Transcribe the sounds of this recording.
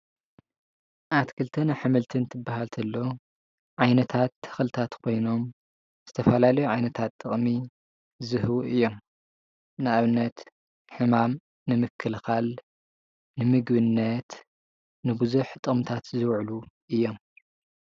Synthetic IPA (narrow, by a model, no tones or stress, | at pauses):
ʔat̪kʰɨlt̪ʰɐnaħɨmɨlt̪ʰɨnt̪ʰɨbːaɦalt̪ʰɐlːo | ʕajnɐt̪ʰat̪ʰːɨ̥xlɨt̪ʰat̪kʰo̞jno̞m | z̥ɨt̪ʰɐfɐlalɐjuʕajnɐt̪ʰat̪ʼːɨχʼmi | zɨhβuɨjːo̞m | nɨʔaβɨnːɐt̪ | ħɨmam | nɨmɨkʰːɨlxal | nɨmɨɡbɨnːɐt̪ | nɨbɨzuħt̪ʼɨmt̪ʰat̪zɨwʕluʔɨjːo̞m